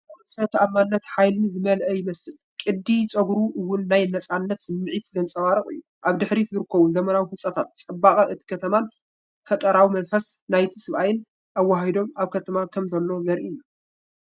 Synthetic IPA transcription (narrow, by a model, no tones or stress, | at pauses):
msɐɾɐt̪ʰamːanːɐt̪ħajlɨnzɨmɐlʔɐjɪmɐsɨl | kʼɨd̪ːit͡sʼɐɡɾuʔɨwːʊnːajnɐt͡sʼanːɐt̪sɨmːɨʕit̪zɐnt͡sʼɐwaɾɐχʼɨ̰jːu | ʔaβd̪ɨħɾizɨɾɨkʰːɐβuzɐmɐnawihusʼɐt̪ʰat̪̚t͡sʼɐbːaχʼɐʔɨt̪ʰi̥kʰɐt̪ʰɐman | fɐt̪ʼɐɾawimɐnfɐsnajt̪ʰi̥sɨβʔajɪn | ʔawːaɦid̪o̞maβkʰɐt̪ʰɐmakʰɐmzɐlːo̞zɐɾʔiju